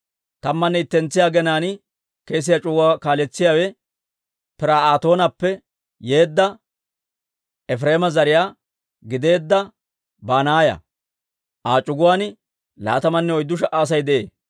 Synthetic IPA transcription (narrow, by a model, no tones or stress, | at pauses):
t̪ɐmːɐnːɛɪt̪ːɛnt͡sːɪjaːɡɛnaːn | ke̞ːs̬ɪjat͡ʃʼʊɡʊwaːkaːlɛt͡sːɪjaːwɛ | pɪɾaːaːt̪o̞ːnɐpːɛ | jeːd̪ːɐ | ɛfɾeːmɐzɐɾɪjaː | ɡɪd̪e̞ːd̪ːɐ | baːnaːjɐ̰ | ʔaːt͡ʃʼʊɡʊwaːnɪ | la̰ːt̪ɐmɐnːɛɔjd̪ːʊʃɐʔaːs̬ɐjd̪ɛʔḛː